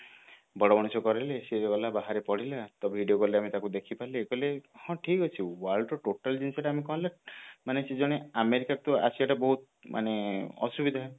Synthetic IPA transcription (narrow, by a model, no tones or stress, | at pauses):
bɔɽɔbɔɽ̃usɔkɔɾileseɡɔlabaɦaɾepɔɽilat̪ɔbbʱiɖijokɔleamit̪akud̪ekʰipaleːkɔlehɔ̃ʈʰikɦɔt͡ʃʰiwalɖɔʈoʈald͡ʒinseʈaamekɔɦɔ̃lamanesed͡ʒɔɽ̃eameɾikakut̪ɔa̰siaʈabɔɦut̪̚ | mʔa̰neɔ̰subid̪ʱae